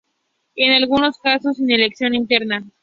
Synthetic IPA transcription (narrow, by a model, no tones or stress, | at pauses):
enalɣuno̞skasosine̞le̞ksjo̞nint̪eɾna